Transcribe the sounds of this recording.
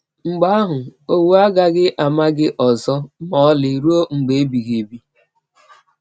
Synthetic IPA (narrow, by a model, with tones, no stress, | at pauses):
ŋ͡m̩˨ɡ͡ba˦a˦ɦʊ˨o˦wu˦a˦ɡa˦ɡɪ˦ʔa˨ma˦ɡɪ˦ʔɔ˨zɔ˦mɔ˨ɔ˦li˨ɾu˦o˦ŋ͡m̩˨ɡ͡be˨e˦bi˨ɣe˨bi˦